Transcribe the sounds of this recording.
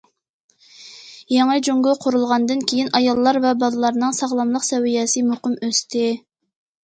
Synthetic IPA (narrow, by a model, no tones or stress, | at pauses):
jeŋɨd͡ʒoŋɡʊqʰʊɾulˠʁɑnd̪ɨnkʲʰejinɑjɑlˠːɑɾvɛbɑlˠɨlˠɑɾnɨŋsɑʁlˠɑmlˠəqsɛwijɛsɨmoqəmøst̪ʰɪ